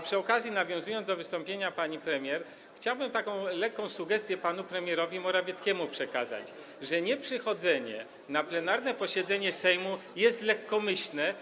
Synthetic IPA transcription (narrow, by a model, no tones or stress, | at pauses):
pʂɘɔkazʲjinavʲjɔ̃zujɔnd̪d̪ɔvɘst̪ɔmpʲjeɲapaɲipɾɛmʲjɛɾ | xt͡ɕawbɘmt̪akɔ̃w̃lɛkːɔ̃w̃suɡɛst̪ʲjɛpanupɾɛmʲjɛɾɔvʲimɔɾavʲjɛt̪skʲɛmupʂɛkaza̰t͡ɕ | ʐɛɲɛpʂɘxɔd̪zɛɲɛ̰ | naplɛnaɾnɛpɔɕɛd̪zɛɲɛsɛjmujɛst̪lɛkːɔmɘɕlnɛ